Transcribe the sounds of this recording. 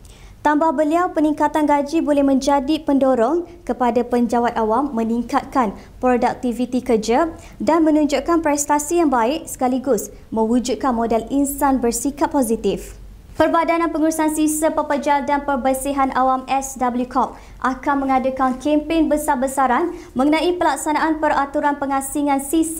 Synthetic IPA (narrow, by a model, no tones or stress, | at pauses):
t̪ambahbəliawpənĩŋkat̪anɡad͡ʒibolɛhmə̃ɲd͡ʒadipəndoɾɔŋkəpadapəɲd͡ʒawat̪̚awamːə̃niŋkat̪̚kan | pɾodak̚t̪ivit̪ikərd͡ʒa | danmə̃nũɲd͡ʒuʔkanpɾɛst̪asijaŋbaɪʔsə̥kaliɡʊs | mə̃wud͡ʒud̪̚kanmodɛlinsanbərsikapːozit̪if | pərbadanãnpəŋuɾusansisəpəpəd͡ʒaldanpərbəsiɦanʔawamɛsdabəljukɔp̚ | ʔakanmə̃ŋadəkankʰɛmpeŋbəsabəsaɾan | mə̃ŋənãʔipəlak̚sanaʔanpərat̪uɾanpəŋãsiŋãnsis